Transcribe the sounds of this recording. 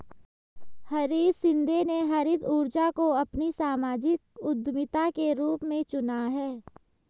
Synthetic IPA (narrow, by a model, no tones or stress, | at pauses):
hɐɾiːd̪sɪ̃nd̪ʱeneɦɐɾɪd̪uːɾd͡ʒakoɐpnisaːmaːd͡ʒɪk̚ʊd̪mɪt̪akeɾuːpmẽt͡ʃʊnaɦɛː